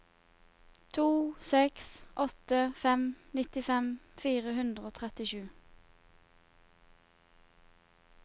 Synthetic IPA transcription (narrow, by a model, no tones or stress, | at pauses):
t̪ʰuːsɛksʔɔt̪əfɛmnɪt̪ɪfɛmfiːʁəhʉnd̪ʁəoːt̪ʰʁɛt̪ɪʃʉː